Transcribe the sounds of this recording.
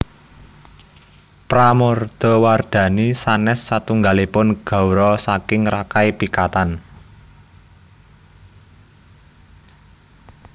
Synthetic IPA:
pɾamɔrd̪̥ɔ̤ward̪̥ä̤nisanɛsːat̪uŋɡalipʊnɡ̥a̤wɾɔsakɪŋrakajpikat̪an

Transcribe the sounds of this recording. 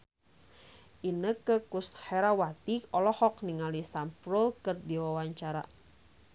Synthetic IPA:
ʔinəkəkust̪̚hɛɾawat̪iɔlɔhɔkniŋalisampɾulkərdiwawaɲt͡ʃaɾa̰

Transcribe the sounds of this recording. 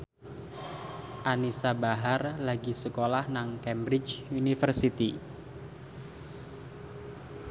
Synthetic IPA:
ʔanisabaɦarlaɡisəkolahnaŋkɛmbɾɪt͡ʃunifərsit̪i

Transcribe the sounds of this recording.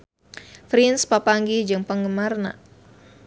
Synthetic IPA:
fɾinspapaŋɡihd͡ʒɨŋpəŋɡəmarna̰

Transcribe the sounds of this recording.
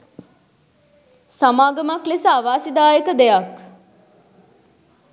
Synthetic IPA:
samaːɡəmaklesəaʋaːsid̪aːjəkəd̪ejak

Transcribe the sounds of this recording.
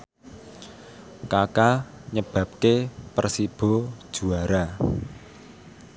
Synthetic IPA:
kakaɲəb̥ä̤p̚kepərsib̥ɔ̤d̥ʒ̥uaɾa

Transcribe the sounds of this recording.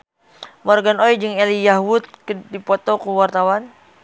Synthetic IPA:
mɔrɡanojd͡ʒɨŋɛlijaɦwut̪̚kdipɔt̪ɔkuwart̪awan

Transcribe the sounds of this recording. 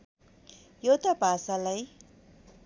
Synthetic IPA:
jot̪abʱasalaj

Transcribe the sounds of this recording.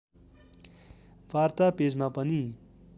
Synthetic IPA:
ʋart̪aped͡zmapʌni

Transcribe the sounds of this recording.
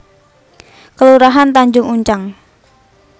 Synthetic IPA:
kəluɾaɦant̪aɲd͡ʒʊŋuɲt͡ʃaŋ

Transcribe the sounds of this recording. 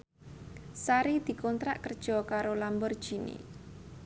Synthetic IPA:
saɾid̪̥i̤kɔnt̪ɾaʔkərd̥ʒ̥ɔ̤kaɾolambɔrd̥ʒ̥i̤nḛ

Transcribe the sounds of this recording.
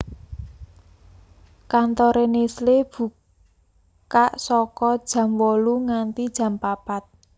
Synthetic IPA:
kant̪ɔɾenesleb̥ṳ | kaʔsɔkɔd̥ʒ̥ä̤mwɔluŋant̪id̥ʒ̥ä̤mpapat̪̚

